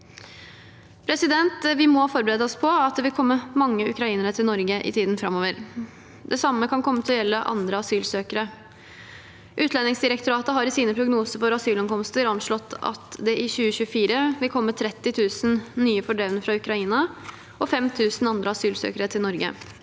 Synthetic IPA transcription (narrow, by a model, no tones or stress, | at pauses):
pʰɾɛsɪd̪ɛnt̪ʋɪmɔhɑfɔɾbəɾeːd̪əɔspʰɔɑt̪̚d̪ɛʋɪlkʰɔmːəmɑŋːəʉkɾɑiːnəɾət̪ʰɪlnɔɾɡəʔɪ̰t̪ʰiːd̪n̩fɾɑmoːʋəɾ | d̪ɛsɑmːəkʰɑnkʰɔmːət̪ʰɪlɔjɛlːəʔɑ̰nd̪ɾəɑsyːlsøːkəɾə | ʔʉːt̪lɛnɪŋsd̪ɪɾəkt̪ʊɾɑːt̪əɦɑɾɪsiːnəpʰɾʊɡnuːsəɾfɔɾɑsyːlɛŋkʰɔmst̪əɾɔnʂɭɔt̪ːɑ̰t̪d̪ɛʔɪçʉːəçʉːəfiːɾəʋɪlkʰɔmːət̪ʰɾɛt̪ːɪt̪ʰʉːsn̩nyːəfɔɖɛʋnəfɾɑʉkɾɑiːnɑ | ʔɔfɛmt̪ʰʉːsn̩ɑnd̪ɾəɑsyːlsø̰ːkəɾət̪ʰɪlnɔɾɡə̰